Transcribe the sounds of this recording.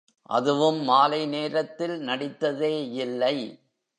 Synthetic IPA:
ʔɐ̰ðɯʋɯmːaːlɐɪneːɾɐt̪ːɪlnɐɽɪt̪ːɐðeːɪlːɐɪ

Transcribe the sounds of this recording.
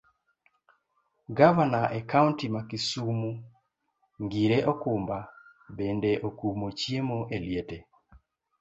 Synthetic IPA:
ɡavanaʔekauntimakisumu | ŋɡiɾeʔɔkʊmba | bendeʔokumot͡ʃjemoʔeljete

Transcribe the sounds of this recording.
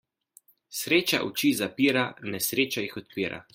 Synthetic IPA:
sɾeːt͡ʃa̰ʔṵt͡ʃiːzapiːɾanɛsɾeːt͡ʃajixɔt̪̚piːɾa̰

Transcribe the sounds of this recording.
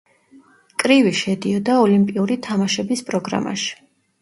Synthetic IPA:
kʼɾiviʃɛd̪iɔd̪aɔlimpʼiuɾit̪ʰamaʃɛbispʼɾɔɡɾa̰ma̰ʃi̥

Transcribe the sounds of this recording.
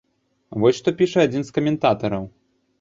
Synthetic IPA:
vɔsʲʂt̪ɔpʲiʂɐad͡zʲinskɐmʲɛnt̪at̪ɐɾɐw

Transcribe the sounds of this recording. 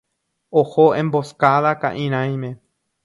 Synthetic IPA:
ohoẽmboskaðaka̰ʔĩɾ̃ãj̃mẽ

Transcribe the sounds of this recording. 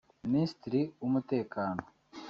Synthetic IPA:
nist̪ɾiumɐt̪eːkaːn

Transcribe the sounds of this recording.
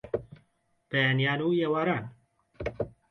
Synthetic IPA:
b̥ɛjaːnijaːnujeːwaːɾaːn

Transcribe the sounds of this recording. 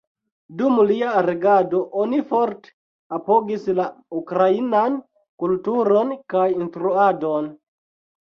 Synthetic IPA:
dumliaɾeɡado̞ʔonifoɾte̥ | apoɡislaukɾainan | kultuɾo̞nkajinstɾuadon

